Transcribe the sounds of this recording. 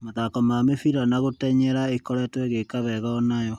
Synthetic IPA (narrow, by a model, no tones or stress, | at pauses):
maðakɔmamefiɾanaɣotɛɲɛɾaekɔɾɛtwɛɣekaβɛɣaɔnajɔ